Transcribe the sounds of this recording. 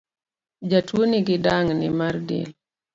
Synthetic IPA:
d͡ʒatwoniɡɪdaŋnɪ̰mardḭl

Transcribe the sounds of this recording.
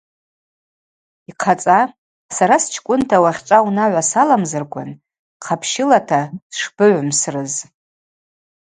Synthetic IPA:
iqʰat͡sʼa | saɾast͡ʃʰkʷʼʊntʰawaχʲʈ͡ʂʷʼawnaʕʷasalamzɨrkʷʰan | qʰapʰʃɪlatʰaʂb̥ɨʕʷmsrɨz

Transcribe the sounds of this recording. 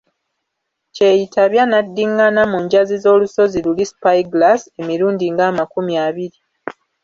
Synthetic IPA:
ce̞jitaβjanadːiŋɡanamuɲɟazizo̞ːluso̞zilulispajɡlase̞miɾuːndiŋɡaːmakumjaːβiɾi

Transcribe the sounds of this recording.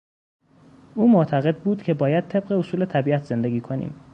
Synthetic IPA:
ʔuːmoʔt̪ʰæɣe̞d̪̚buːd̪̥cʰe̞bɒːjæd̪̚t̪ʰe̞b̚ɢeosuːle̞t̪ʰæbiːæt̪ʰz̥e̞nd̪eɡʲiːkʰo̞nḭːm

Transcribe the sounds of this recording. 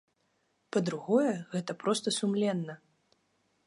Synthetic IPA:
pɐd̪ɾuɣɔjɛɣɛt̪ɐpɾɔst̪ɐsumlʲɛnːɐ

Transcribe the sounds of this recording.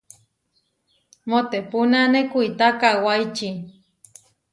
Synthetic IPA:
mot̪epunanekuit̪akawajt͡ʃi

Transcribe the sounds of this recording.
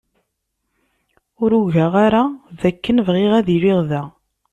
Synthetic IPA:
ʊɾuʝæʁaɾaðækːənvʁeʁæðiɾiʁðæ

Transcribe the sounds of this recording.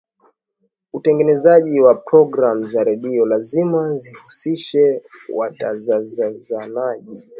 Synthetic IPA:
utɛŋɡɛnɛzaʄiwapɾɔɡɾam̩zaɾɛɗiɔlazimazihusiʃɛwa̰tazazazanaʄi

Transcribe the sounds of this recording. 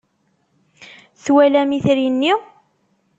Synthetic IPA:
θwælæmiθɾinːi

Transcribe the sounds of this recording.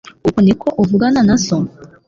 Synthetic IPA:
okonekʰɔʔovuɡananasɔ

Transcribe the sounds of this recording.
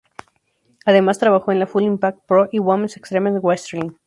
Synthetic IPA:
aðe̞mast̪ɾaβaxo̞enlafulimpak̚t̪̚pɾoʔiwomensekst̪ɾemaðeɣwest̪eɾlin

